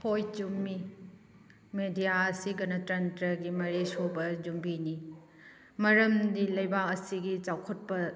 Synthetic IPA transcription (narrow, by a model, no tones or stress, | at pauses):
pʰojd͡ʒumːi | medijaɐsiɡɐnɐtɾɐntɾɐɡimɐɾesobɐd͡ʒumbini | mɐɾɐmdilɐjbak̚ɐsiɡit͡ʃawkʰɐt̚pɐ